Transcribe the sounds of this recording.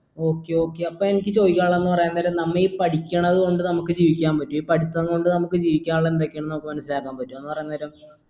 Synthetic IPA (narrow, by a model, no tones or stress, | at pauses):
o̞ːkːeo̞ːkːeɐpːoːmenikʲːɨt͡ɕo̞ːjikːaːɭenːɨpɐrɐjɐnːɐɐɾɐmnɐmːɐipɐʈikʲːɐɳɐðɨko̞ɳɖɨnɐmukːɨd͡ʑiːʋikʲːaːmpɐtːumipɐʈʰit̪ːɐnːɨko̞ɳɖɨnɐmukːɨd͡ʑiːʋikʲːaːnɐɭːend̪okʲːɐɳɐnomkːɨmɐnɐsːilaːkːaːmpɐtːume̞nːɨpɐrɐjːnːɐðɐɾum